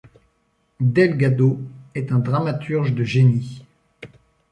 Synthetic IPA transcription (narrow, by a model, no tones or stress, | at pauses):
d̪ɛlɡad̪oɛt̪ɛ̃d̪ʁamat̪ʰyʁʒd̪əʒeni